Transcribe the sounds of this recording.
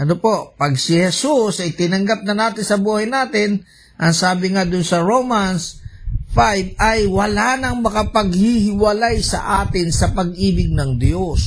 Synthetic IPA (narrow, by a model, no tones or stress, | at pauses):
ʔɐnopo̞ʔpɐɡsɪhɛsusɐjt̪ɪnɐŋɡap̚nɐnaːt̪ɪnsɐbuːhɐjnaːt̪ɪn | ʔɐŋsaːbɪŋad̪ʊnsɐɹomansfajb̚ɐjwɐlaːnɐŋmɐkɐpɐɡhihɪwɐlajsɐ̰ʔaːt̪ɪnsɐpɐɡʔiːbɪɡ̚nɐŋd̪jos